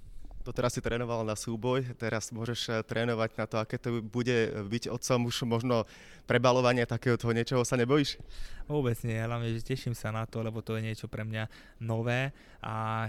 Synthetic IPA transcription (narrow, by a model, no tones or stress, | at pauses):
t̪ɔt̪ɛɾasːit̪ɾɛːnɔʋalnasuːbɔjt̪ɛɾasmʊɔʒɛʃt̪ɾʔɛːnɔʋaɟnat̪ɔakɛːt̪ɔbuɟɛbiɟɔt̪t͡sɔmuʃmɔʒnɔ | pɾɛbalɔʋaɲɪɛt̪akɛːɦɔt̪ɔɦɔɲɪɛt͡ʃɔɦɔsaɲɛbɔjiːʃʋʊɔbɛd͡zɲɪɛɦlaʋɲɛʒɛcɛʃimsanat̪ɔlɛbɔt̪ɔjɛɲɪɛt͡ʃɔpɾɛmɲa | nɔʋɛː | ʔa